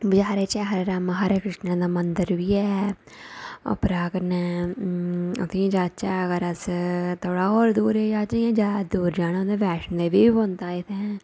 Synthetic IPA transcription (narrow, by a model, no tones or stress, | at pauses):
bəd͡ʒaːɾeːt͡ʃɛːɦəɾeɾaːmaɦaːɾeːkɾɪʂnãːd̪aːmənd̪əɾʋiːɛː | ə̰pɾaːkənɛː | ʊ̰t̪ʰĩd͡ʒaːt͡ʃaːəɡəɾəst̪ʰoːɽaːoːɾd̪uːɾeːd͡ʒaːt͡ʃaãːd͡ʒaːd̪uːɾd͡ʒaːɽ̃ãd̪eːʋɛːʃənd̪eːʋiːbont̪aːɪt̪ʰe